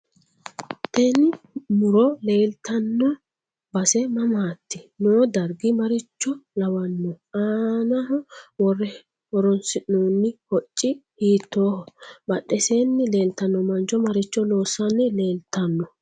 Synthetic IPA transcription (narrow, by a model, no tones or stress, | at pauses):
t̪ɛnɪ | mʊɾɔle̞ːlt̪ɐnːɔ | bɐsɛmɐmaːt̪ːɪnoːd̪ɐɾɡɪmɐɾɪt͡ʃːɔlɐwɐnːɔ | aːnɐhɔwɔrɛ | wɔɾɔnsɪʔnoːnːɪhɔt͡ʃʼːɪhiːt̪ːoːhɔbɐɗɛseːnːɪle̞ːlt̪ɐnːɔmɐnt͡ʃɔmɐɾɪt͡ʃːɔloːsːɐnːɪle̞ːlt̪ɐnːɔ